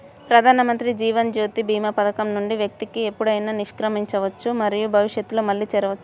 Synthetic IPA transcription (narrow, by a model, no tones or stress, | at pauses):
pɾɐd̪ʱaːnɐmɐnt̪ɾid͡ʒiːʋɐnd͡ʒoːt̪ibʱiːmɐpɐd̪ɐkɐmnuɳɖiʋjɐk̚t̪ikiepːuɽɐjnaːniʂkɾɐmiɲt͡ʃɐʋɐt͡ʃːumɐɾijubʱɐʋiʂjɐt̪ːuloːmɐɭːiːt͡ʃɛɾɐʋɐt͡ʃːu̥